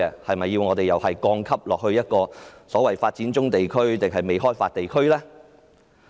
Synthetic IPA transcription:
ɛː˧hɐ˨jmɐ˨jːiː˧wŋɔː˨˧t̪e˨jɐ˨˩whɐ˨jkɔː˧ŋkʰɐ˥p̚lɔː˨k̚hɵ˧ɥjɐ˥t̚kɔː˧sɔː˨˥wɐ˨˩jfaː˧t̚t͡siː˨˥nt͡sʊ˥ŋt̪e˨jkʰɵ˥ɥt̪ɪ˨ŋɦɐ˨jme˨jɦɔː˥jfaː˧t̚t̪e˨jkʰɵ˥ɥlɛː˥

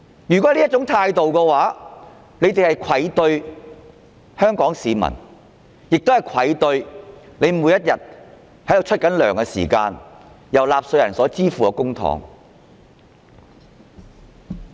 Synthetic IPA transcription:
jyː˨˩kɔ˨˦˥liː˥ɐ˥t̚t͡sʊ˨˥ŋt̪ʰaː˧jt̪o˨wkɛ˧waː˨˥ | ne˨˧jt̪e˨hɐ˨jkʷʰɐ˨˥jt̪ɵ˧ɥ | hœː˥ŋkɔː˨˥ŋsiː˨˧mɐ̰˨˩n | jɪ˨k̚t̪hɐ˨jkʰɐ˨˥jt̪ɵ˧ɥne˨˧jmuː˨˥jɐ˥t̚jɐ˨t̚ | hɐ˥j̪o˨wt͡ʃʰɵ˥t̚kɐ˨˥nlœː˨˩ŋkɛ˧sḭː˨˩kaː˧n | jɐ˨˩wlaː˨p̚sɵ˧jɐ˨˩nsɔː˨˥t͡siː˥fuː˨kɛ˧kʊ˥ŋt̪ʰɔ̰ː˨˥ŋ

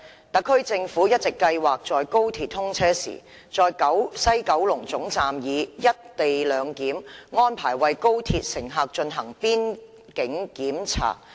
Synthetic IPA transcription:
t̪ɐ˨˥kʰːɵ˥ɥt͡sɪ˧ŋfuː˨˥jɐ˥t̚t͡sɪ˨kːɐ˧jwaː˨k̚t͡sɔː˨jko˥wt̪ʰiː˧t̪̚ʰːʊ˥ŋt͡sʰɛː˥sḭː˨˩ | t͡sɔː˨jkɐ˨˥wsɐ˥jkɐ˨˥wlʊ˨˩ŋt͡sʊ˨˥ŋt͡saː˨mjiː˨˧jɐ˥t̚t̪e˨jlœː˨˧ŋkiː˨˥mŋɔː˥npʰaː˨˩jwɐ˨jko˥wt̪ʰiː˧t̚sɪ˨˩ŋɦaː˨˧k̚t͡ʃɵ˧nɦɐ˨˩ŋpiː˥n | kɪ˨˥ŋkiː˨˥mt͡sʰa̰ː˨˩k̚

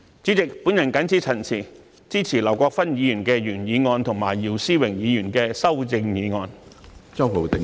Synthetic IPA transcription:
t͡syː˨˥t͡sɪ˨k̚puː˨˥njɐ˨˩nkɐ˨˥nt͡sʰiː˨˥t͡sʰɐ˨˩nt͡sʰiː˨˩ | t͡siː˥t͡sʰiː˨˩lɐ˨˩wkʷɔː˧k̚fɐ˥njiː˨˧jyː˨˩nkɛː˧jyː˨˩njiː˨˧ŋɔː˧nt̪ʰʊ˨˩ŋmaː˨˩jjiː˨˩wsiː˥wɪ˨˩ŋjiː˨˧jy˨˩nkɛː˧sɐ˥wt͡sɪ˧ŋjiː˨˧ŋɔː˧nt͡sɐ˥who˨˧wt̪ɪ˨˥

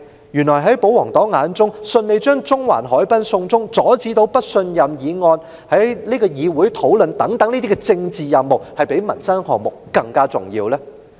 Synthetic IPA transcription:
jyː˨˩nlɔː˨˩jɦɐ˨˥jpo˨˥wɔː˨˩ŋt̪ɔː˨˥ŋŋaː˨˧nt͡sʊ˥ŋsɵ˧nle˨˧jt͡ʃœː˥ŋt͡sʊ˥ŋwa̰ː˨˩nɦɔː˨˥jpɐ˥nsʊ˧ŋt͡sʊ˥ŋt͡sɔː˨˥t͡siː˨˥t̪o˧˥wpɐ˥t̚sɵ˧njɐ˨mjiː˨˧ŋɔː˧n | hɐ˨˥jniː˥kɔː˧jiː˨˧wuː˨˥jt̪ʰo˨˥wlɵ˨nt̪ɐ˨˥ŋt̪ɐ˨˥ŋniː˥t̪i˥k̬ɛ˧t͡sɪ˧ŋt͡siː˨jɐ˨mmo˨w̚hɐ˨jpe˨˥jmɐ˨˩nsɐ˥nhɔː˨ŋ̚mʊ˨k̚ːɐ˧ŋkaː˥t͡sʊ̰˨˩ŋjiː˧wlɛː˥

